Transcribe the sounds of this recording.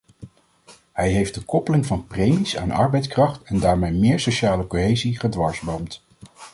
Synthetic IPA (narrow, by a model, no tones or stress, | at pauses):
ɦɛjɦejfdəkɔpəlɪŋvɑnprejmisa̰ːnɑ̰ɹbɛjtskrɑχtɛndaːɹmejmɪːɹsowʃaːləkoɦejziχədʋɑɹzbowmt